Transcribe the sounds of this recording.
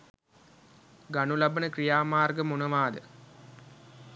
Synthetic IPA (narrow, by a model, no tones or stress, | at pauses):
ɡanulabənəkrijaːmaːrɡəmunɐʋaːd̪ə